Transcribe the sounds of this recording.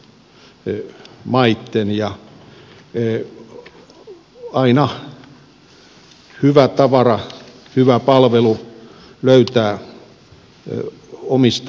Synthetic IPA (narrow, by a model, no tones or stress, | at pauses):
mɑit̪ːenjɑ | ɑinɑ | hyʋæt̪ɑʋɑrɑ | hyʋæpɑlʋelu | løyt̪æː | omist̪